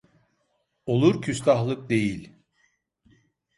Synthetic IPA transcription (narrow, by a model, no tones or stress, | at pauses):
o̞lˠuɾcʰyst̪ʰaɦlˠɯk̚d̪e̞jilʲ